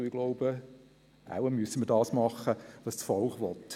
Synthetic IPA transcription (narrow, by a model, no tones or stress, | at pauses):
ɪɡ̥loʊb̥ə | ʔa̰wəmyəsəməɾdɑːsmɑχːəʋɑst͡sfɔlχʋɔt̪